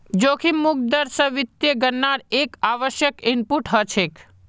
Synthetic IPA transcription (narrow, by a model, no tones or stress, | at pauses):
d͡ʒoːkʰimʊk̚d̪əɾsəʋɪt̪jəɡəɾnaɾekaːʋəʃjəkɪnpuʈɦət͡ʃʰek